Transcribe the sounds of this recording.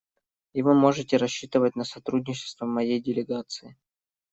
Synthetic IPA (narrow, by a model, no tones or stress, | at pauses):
ɪvɨmo̞ʐɨtʲɪɾɐɕːit̪ɨvət̚ʲnəsɐt̪ɾudʲnʲɪt͡ɕɪ̥st̪vəmɐjejdʲɪlʲɪɡat̪sɨɪ